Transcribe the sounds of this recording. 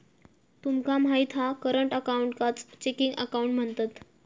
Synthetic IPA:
t̪umkamajt̪ʰɦakəɾəɳʈəkauɳʈkat͡st͡ɕekiŋɡə̰kauɳʈm̤əɳt̪at̪

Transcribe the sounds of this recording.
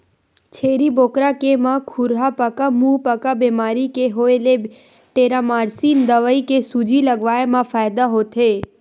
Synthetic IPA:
t͡ʃʰeɾibokɾakemãkʰuɾɦapəkamũpəkabemaɾikeɦoele | ʈeɾamaɾsiːnd̪əʋəikesud͡ʒiləɡʋaemãfajd̪aɦot̪ʰe

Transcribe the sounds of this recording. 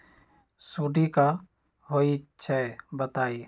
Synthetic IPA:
suɖika | ɦoit͡ʃʰɛbət̪aːi

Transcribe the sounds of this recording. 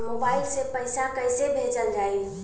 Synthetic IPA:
mobaːɪlsepəɪsakəɪsebʱeːt͡ʃəld͡ʒaːi

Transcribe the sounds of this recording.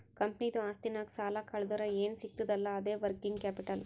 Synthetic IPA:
kɐmpnid̪uaːst̪inaːksaːlakɐɭd̪uɾɐeːnsikt̪ːud̪ɐlːɐːd̪eːʋɐɾkiŋɡkaːpiʈɐl

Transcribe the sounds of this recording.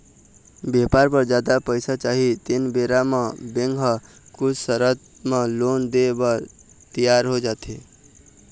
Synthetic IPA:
bepaɾpəɾd͡ʒad̪apəɪsat͡ʃaɦit̪inbeɾamə̃bẽŋɡɦə | kʊt͡ʃʰsəɾət̪̚ | mə̃lond̪ebəɾ | t̪ijaɾɦod͡ʒat̪ʰe

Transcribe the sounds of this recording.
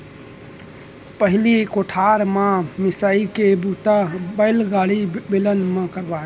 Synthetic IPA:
pəɦlikoʈʰaɾmãmɪsaikebut̪abəɪlɡaɽibilənmãkəɾba

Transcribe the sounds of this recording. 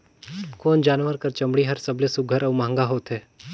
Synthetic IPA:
koːnd͡ʒaːnʋəɾkɐɾt͡ʃɐ̃mɽiɦɐɾsɐblesʊɡʱəɾəːmãːŋɡaɦoːt̪ɦɛː

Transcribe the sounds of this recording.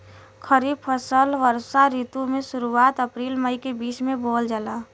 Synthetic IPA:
kʰəɾiːbpʰəsəlʋəɾsaɾiːt̪umẽʃʊɾuaːt̪əpɾiːlməikebiːsmẽboːld͡ʒala

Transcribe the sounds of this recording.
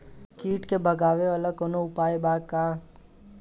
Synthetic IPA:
kiːʈkebɐɡaːʋeɐləkoːnoʊpaːjbaːka

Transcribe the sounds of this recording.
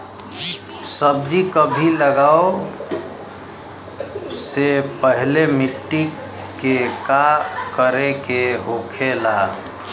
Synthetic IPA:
səb̚d͡ʒikəbʱiləɡao | sepəɦlemiʈːi | kːekakəɾekeɦokʰela

